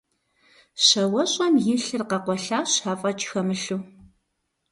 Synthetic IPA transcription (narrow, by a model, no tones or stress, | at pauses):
ɕɐwɐɕʼɐmjɪɬɨrqɐqʷɔɬaːɕaːfʼɐt͡ʃʰʼxɐmɨɬuː